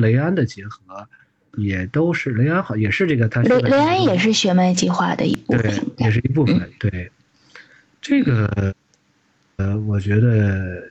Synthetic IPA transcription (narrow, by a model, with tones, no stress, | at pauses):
le˧˥ɪa˥nd̪ə˨t͡ɕjɛ˧˥xɤ˧˥ | jɛ˨˩t̪o˥ʊʂɻ̩˥˩le˧˥ɪa˥nxɑ˨˩˥jɛ˨˩ʂɻ̩˥˧ʈ͡ʂɤ˥˩ɡə˩t̪ʰa˥le˧˥ɪle˧˥ɪa˥njɛ˨˩ʂɻ̩˥˩ɕɥɛ˧˥ma˧˥ɪt͡ɕi˥˧xwa̰˥˩d̪ə̰˩ḭ˧˥pu˥t̪we˥˩ɪə˨˩njɛ˨˩ʂɻ̩˥˩i˧˥p̬u˥˩fə˨˩nt̪we˥˩ɪ | ʈ͡ʂɤ˥˩ɡə˩ | ə˩wɔ˨˩t͡ɕɥɛ˧˥d̪ə˧